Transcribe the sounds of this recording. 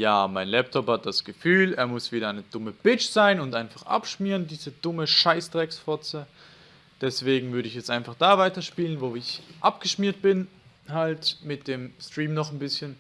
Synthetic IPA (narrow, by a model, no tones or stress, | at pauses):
jaːmaɪnlɛp̚tʰɔphat̚d̥asɡ̥əfyːleːɐmʊsv̥iːdɐaɪnəd̥ʊməb̥ɪt͡ʃz̥aɪnʊntʔaɪnfaχʔa̰pʃmiːʁəndiːzəd̥ʊməʃaɪstʁ̥ɛksfɔt͡sə | d̥ɛsv̥eːɡŋ̩vʏɐɾəɪçjɛt͡sstʔaɪnfaχd̥aːvaɪtɐʃpiːlənvoːɪçʔap̚ɡ̥əʃmiːɐt̚b̥ɪn | haltmɪt̚d̥eːmstʁ̥iːmnɔχnbɪsçən